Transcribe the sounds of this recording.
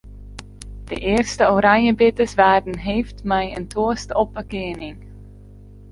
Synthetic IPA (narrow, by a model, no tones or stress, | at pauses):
d̥ə̰ʔɪərstəoɾɑɲjəbɪtəsʋaːrdənɦejftmɛjə̰ntʰoəstɔpəkɪənɪŋ